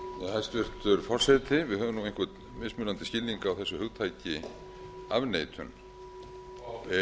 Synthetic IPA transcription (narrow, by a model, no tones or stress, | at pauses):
ast̪ʏr̥t̪ʏɾ̥fɔr̥sɛt̪ɪvɪðɦœːvʏmnuwejŋkvʏt̪ | mɪsmʏnant̪ɪscɪlniŋkaːwθɛsːʏhʏɣt̪ʰaːjcɪ | a̰vneːjt̪ʰʏ̰n